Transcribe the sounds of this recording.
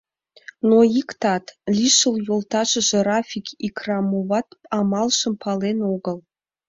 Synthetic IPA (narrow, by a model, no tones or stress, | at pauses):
noikt̪ɑt̪lʲiʃəljolt̪ɑʃə̆ʒĕrɑfʲikikrɑmoβɑt̪ɑmɑlʃə̆mpʰɑlenoɣəl